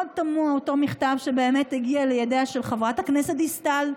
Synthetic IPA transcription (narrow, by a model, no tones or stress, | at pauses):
od̚tamuaotomiχtavʃebeːmeteɡialejadeaʃelχavʁathaknesethistal